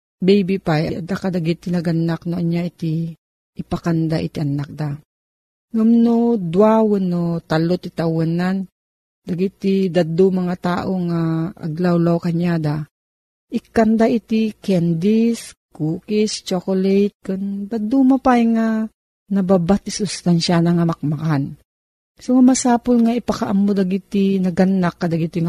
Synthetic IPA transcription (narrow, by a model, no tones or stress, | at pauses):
bɛjbipajɐʔɐd̪akad̪aɡit̪inɐɡanak̚noɐɲjait̪i | ʔːpakand̪aʔḭt̪iʔɐnak̚d̪a | ŋumnod̪wawənːot̪alot̪it̪awanan | d̪aɡit̪id̪ad̪umɐŋat̪aːʔoŋaɐ̰ɡlawlawkɐɲːad̪a | ʔɪkːɐnd̪aʔit̪ikɛnd̪is | kuːkist͡ʃokolɛjt̪̚kond̪ad̪umapaiŋa | nɐbabat̪isʊst̪anʃanaŋamɐk̚makan | soŋamɐsaːpolŋaipakaʔamːod̪aɡit̪inɐɡanːakːɐd̪aɡit̪iŋa